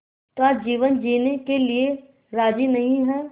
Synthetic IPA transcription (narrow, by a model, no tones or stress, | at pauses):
t̪oaːd͡ʒiːʋənd͡ʒiːnekelie | ɾaːd͡ʒinɐɦĩɦɛː